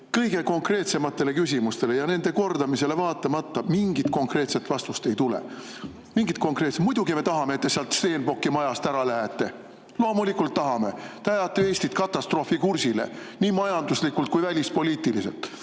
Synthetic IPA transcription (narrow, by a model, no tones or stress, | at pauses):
kɤjɡ̥e̞ko̞ŋkre̞ːt̪se̞mɑt̪ːe̞le̞kys̬ʲimust̪e̞le̞jɑne̞nd̪̥e̞ko̞rd̪̥ɑmise̞le̞vɑːt̪ːˑɑmɑt̪ːɑmiŋɡit̪ko̞ŋkre̞ːt̪set̪ːvɑst̪ust̪e̞jt̪ulḛ | miŋɡit̪̚ˑko̞ŋkɾe̞ːt̪semujd̪̥uɡime̞t̪ɑɦɑmeet̪ːe̞seɑlt̪st̪e̞ːnbo̞kːˑimɑjɑst̪æɾɑlæɦet̪ːˑe̞ | lo̞ːmulikult̪ːɑɦɑme̞t̪eɑjɑt̪ːˑee̞ːsʲt̪it̪kɑt̪ːˑɑst̪ro̞ːfikursile̞̰niːmɑjɑnd̪uslikult̪̚kujvælʲispo̞liːt̪ilise̞̰lt̪ːˑ